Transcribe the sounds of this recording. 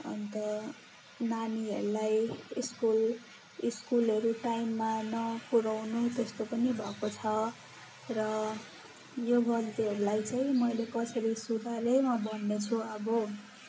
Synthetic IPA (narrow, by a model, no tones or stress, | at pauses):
ʌ̰nt̪ʌ | naniɦʌ̰ɾulajiskul | iskulʌɾuʈajmːanʌpuɾawnut̪est̪opʌnibʱʌkot͡sʰʌ | rʌ | joɡʱʌld̪eɦʌɾulajt͡saĩmʌjlekʌsʌɾisuɾʱalemʌbʱʌnːet͡sʰuʌbo